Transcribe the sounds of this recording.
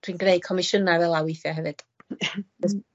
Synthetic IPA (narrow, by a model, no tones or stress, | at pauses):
d̥wiːnɡneɨ̥kʰɔmɪʃənavɛlˠawɪjθjaɦɛvɨd̥ | ɛs